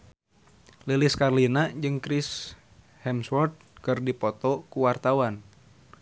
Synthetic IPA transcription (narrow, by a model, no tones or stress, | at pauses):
liliskarlinad͡ʒɨŋkɾis | hɛmswɔrt̪̚kɨrdipɔt̪ɔkuwart̪awan